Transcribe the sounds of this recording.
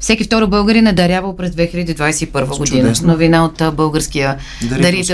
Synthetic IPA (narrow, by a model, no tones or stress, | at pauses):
fsɛkʲift̪ɔɾəbɤlˠɡəɾinɛd̪ɐɾʲjavəlˠpɾɛzd̪vɛxilʲəd̪iːd̪vajsɛipɤɾvəɡod̪inənovinaot̪bɤlˠɡəɾskijə | d̪ɐɾit̪